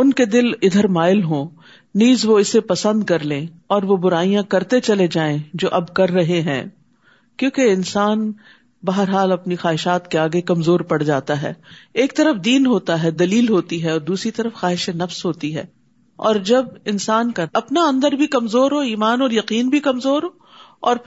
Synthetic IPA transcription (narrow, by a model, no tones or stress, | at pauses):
ʊnked̪ɪlɪd̪ʱəɾmaːɪlɦõː | niːzʋoɪsːepɐsə̃nd̪kɐɾlẽː | ɔːɾʋobʊɾaːijãkɐɾt̪et͡ʃɐled͡ʒaːẽd͡ʒoːʔɐbkɐɾːɐɦeɦɛ̰̃ː | kjõːkeɪnsaːn | bɐɦəɾɦaːlɐpnixaːɦɪʃaːt̪keaːɡekɐmzoːɾpɐɽd͡ʒaːt̪aɦɛ̰ːeːk̚t̪ɐɾəfd̪iːnɦoːt̪aɦɛd̪ɐliːlɦoːt̪iɦɛɔːɾd̪uːsɾit̪ɐɾəfxaːɦɪʃenɐfsɦoːt̪iɦɛ̰ː | ɔ̰ːɾd͡ʒɐbɪnsaːnkaɐpnaɐ̃nd̪əɾbʱikɐmzoːɾɦoːiːmaːnɔːɾjɐqiːnbʱikɐmzoːɾɦoː | ɔːɾ